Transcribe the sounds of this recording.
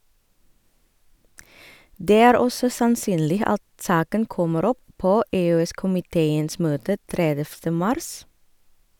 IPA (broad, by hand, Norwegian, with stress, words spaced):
ˈdeː ˈæːɾ ˈɔsɔ sɑnˈsyːnlɪ ˈɑt ˈsɑːkən ˈkɔməɾ ˈɔp ˈpoː eːøːˈɛskʊmɪˌteːəns ˈmøːtə ˈtɾɛdɛftə ˈmɑɾs